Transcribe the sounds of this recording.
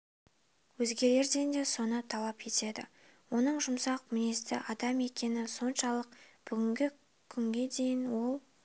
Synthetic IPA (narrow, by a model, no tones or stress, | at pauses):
wɵzɡʲe̞ɾe̞ɾd̪e̞nd̪e̞so̞nət̪ʰɑlˠɑpkʰe̞t̪e̞d̪ɪ̰ | wo̞n̪əɴʒʊmsɑqmɪne̞st̪ɪʔɑd̪ɑme̞kʲe̞nɪso̞nʃɑlˠəq̚b̥ʏɡʲɪŋɡʲɪ | kʲʰʏŋɡʲe̞d̪e̞jɪnwo̞lˠ